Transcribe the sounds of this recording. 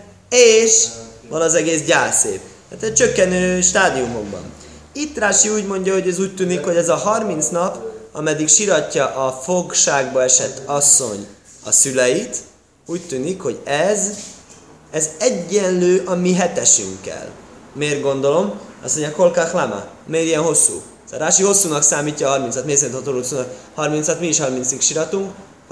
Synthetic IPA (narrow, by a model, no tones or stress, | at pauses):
eːʃvɒnɒzɛɡeːs̬ɟaːsḛːp | at̪ɛc̚t͡ʃøkːɛnøːʃt̪aːd̪iumo̞ɡ̚bɒ̰n | it̪ːraːʃiuːɟmo̞ɲɟɒho̞ɟɛzuːc̚t̪yːnikho̞ɟɛzɒɦɒrmin̪t̪snɒpɒmɛd̪ikʃiɾɒcːɒʔɒfo̞kʃaːɡbɒɛʃɛt̪ːɒsːo̞̰ɲ | ɒ̰sylɛjit̪ | uːct̪yːnikho̞ɟɛz | ɛzɛɟːɛnløːʔɒmiɦɛt̪ɛʃy̰ŋkːɛ̰lmeːr̚ɡo̞nd̪o̞lo̞mɒ̰smoɲɟɒko̞lkaxlamɒ̰ | meːɾijɛnɦo̞sːṵː | sɒ̰ɾaːʃiho̞sːuːnɒksaːmiːcːɒːɦɒrminɒt̪meːs̬ɛinhot̪olot̪suːnkhɒrmint̪snɒt̪miːʃhɒrmint̪sikʃiɾɒt̪uŋk